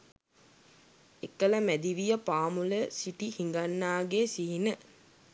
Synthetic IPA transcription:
ekːəlɐmæd̪iʋijəpaːmuləsiʈihiŋɡanːaːɡesiɦinə

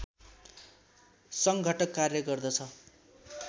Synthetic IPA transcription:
sʌŋɡʱʌʈʌkːarjʌɡʌrd̪ʌt͡sʰʌ

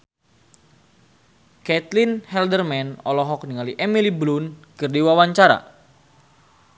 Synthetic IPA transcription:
kɛt̪linhɛldərmɛnɔ̰lɔɦɔk̚niŋaliʔɛmiliblunkərdiwawaɲt͡ʃaɾa̰

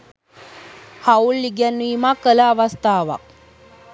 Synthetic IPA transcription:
haulːiɡænːiːmakələaʋast̪aːʋa̰k̚

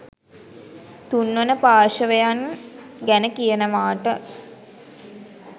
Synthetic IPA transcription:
t̪unːonəpaːʃəʋejanɡænəkijənəʋaːʈə

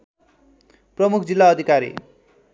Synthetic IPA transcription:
prʌmukʰd͡zilːaʌd̪ʱikaɾḭ

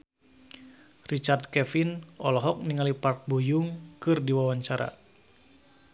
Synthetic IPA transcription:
rit͡ʃardkɛfinɔlɔɦɔk̚niŋalipark̚bujuŋkɨrdiwawaɲt͡ʃaɾa̰

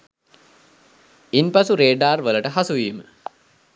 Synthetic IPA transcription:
inpasuɾeːɖaːrʋələʈəɦasuʋiːmə

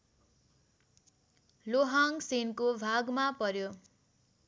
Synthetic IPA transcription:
loɦaŋsinkobʱaɡmapʌɾjo

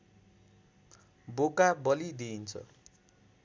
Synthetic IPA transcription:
bokabʌlid̪iːnt͡sʰʌ̰

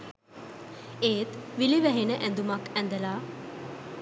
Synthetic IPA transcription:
eːt̪ʋiliʋæɦenəʔɛnd̪umakɛ̃nd̪əlaː

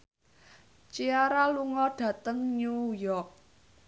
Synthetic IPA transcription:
t͡ʃiaɾaluŋɔɖ̥ä̤t̪əŋɲujɔk̚

